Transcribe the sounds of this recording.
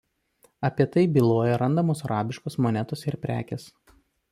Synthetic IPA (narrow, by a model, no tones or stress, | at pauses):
ɐpʲiɛt̪ɐɪbʲɪlˠoːjɛɾɐnd̪ɐmoːsɐɾɑːbʲɪʃkosmɔnʲɛt̪osɪɾpʲɾʲæ̰ːkʲes